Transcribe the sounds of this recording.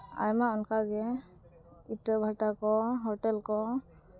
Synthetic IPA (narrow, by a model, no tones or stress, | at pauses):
a̰jmaɔnkaɡɛ | itɾəbʱaʈakɔɦɔʈɛlkɔ